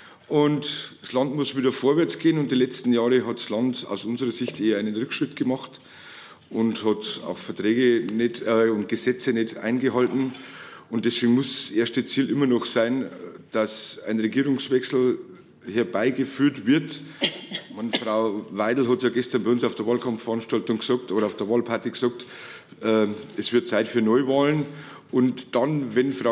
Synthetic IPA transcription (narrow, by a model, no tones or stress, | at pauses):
ʔʊntdslɑntmʊsv̥iːdɐfoːɐvɛɐt͡sɡ̥eːənʊnt̚d̥iːlɛt͡stn̩jaːʁəɦɑtslɑnda̰ʊsʊnzəʁɐzɪçtʔeːɐaɪnənʁʏkʃʁ̥ɪtɡ̥əmɑχt | ʔʊnthɑta̰ʊxfɛɐtʁ̥ɛːɡənɛtʊnt̚ɡ̥əzɛt͡sənɛta̰ɪnɡəɦɑltn̩ʊnt̚d̥ɛsveːɡŋ̩mʊsʔeɐstət͡siːlʔɪmɐnɔxsaɪnd̥asa̰ɪnʁeɡiːʁʊŋsvɛksl̩ | hɛɐbaɪɡəfyːɐtvɪɐt | manfʁaʊvaɪdl̩ɦɑtjɑːɡɛstɐnbaɪʊnsaʊfd̥eːɐvɑːlkʰɑmftfɐɑnʃtɑltʊŋɡəsɑk̚tʔoːɾɐaʊfd̥eːɐvɑːlpʰaɐtiɡəsɑk̚t | ʔɛːɛsv̥ɪɐt̚t͡saɪtfyːɐnɔʏvɑːlənʔʊntd̥ɑnvɛnfʁ̥a